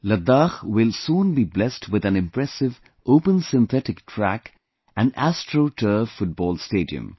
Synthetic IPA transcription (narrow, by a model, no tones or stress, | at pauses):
ləd̪axwɪlsũːnbiblɛstʰwɪðæ̃nɪ̃mpɹɛsɪv | ʔoʊpə̃nsɪ̃nθɛtɪk̚tʰɹæk | æ̃næstʰɹoʈʰəfʊʈ̚bɔːlsteːdḭɨ̰̃m